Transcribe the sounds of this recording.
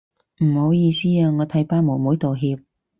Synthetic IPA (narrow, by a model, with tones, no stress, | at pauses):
m̩˨˩ho˨˧wjiː˧siː˥aː˧ŋɔː˨˧t̪ʰɐ˨˥jpaː˧˥mo˨˩wmuː˨˥jt̪o˨wɦiː˧p̚